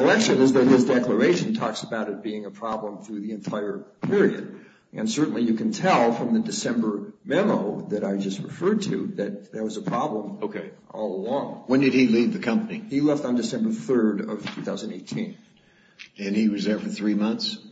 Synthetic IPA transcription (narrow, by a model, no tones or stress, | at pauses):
əlɛkʃɨ̃nɨzðɨt̚hɪzdɛklə˞eɪʃɨ̃n̩tʰɔksəbaʊɾɨt̚b̥iɪ̃ŋəpʰɹ̥ɑblə̃mθɹʉðiɨ̃ntʰaɪə˞pʰɪɹiɨ̰ɾ | ʔɨ̰̃nsɜ˞ʔn̩lijɨkɨ̃n̩tʰɛlˠfɹʌ̃mðɨdɨsɛ̃mbə˞mɛmoʊðɨɾaɪd͡ʒʌst̚ɹɨfɜ˞d̚tʰʉ̰ðɨt̪̚ðə˞wʌzəpʰɹ̥ɑblə̃moʊkʰeɪʔɔ̰lˠəlɔ̃ŋwɨ̃ndɨd̚ilivðɨkʰʌ̃mpənihilɛftn̩dɨsɛ̃mbə˞θɜ˞ɾʌv̥tʰʉθaʊz̃n̩deɪtʰĩn | ɨ̃niwʌzðə˞fə˞θɹimʌ̃nθs